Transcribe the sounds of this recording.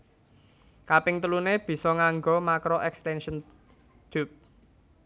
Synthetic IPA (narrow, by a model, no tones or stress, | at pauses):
kapɪŋt̪əluneb̥i̤sɔŋaŋɡɔmakɾoʔɛkst̪ɛnʃən | d̪̥up̚